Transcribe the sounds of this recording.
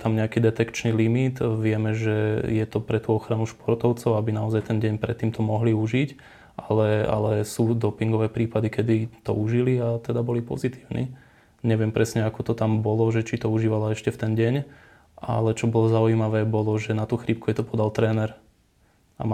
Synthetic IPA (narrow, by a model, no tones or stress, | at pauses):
t̪amɲɛakiːd̪ɛt̪ɛkt͡ʃnilimit̪ʋɪɛmɛʒɛjɛt̪ɔpɾɛt̪uːɔxɾanuʃpɔɾt̪ɔʊt͡sɔʊabinaɔzajt̪ɛnɟɛɲpɾɛt̪ːiːmt̪ʰɔmɔɦliuʒic | ʔalɛa̰lɛsuːd̪ɔpiŋɡɔʋɛːpɾiːpad̪ikɛd̪it̪ɔ̰uʒiliat̪ɛd̪abɔlipɔ̰zit̪iːʊnʔḭ | ɲɛʋɪɛmpɾɛsɲɛakɔt̪ɔt̪ambɔlɔʒɛt͡ʃit̪ɔuʒiːʋalaɛʃcɛft̪ɛnɟɛɲ | ʔa̰lɛt͡ʃɔbɔlɔzaujimaʋɛːbɔlɔʒɛnat̪uːxɾip̚kujɛt̪ɔpɔd̪alt̪ɾɛːnɛɾ | a̰